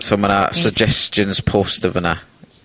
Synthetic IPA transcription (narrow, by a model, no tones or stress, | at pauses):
sə̃mə̃nasəɡ̚d͡ʒɛst͡ʃə̃nz̥pʰoːstəvənə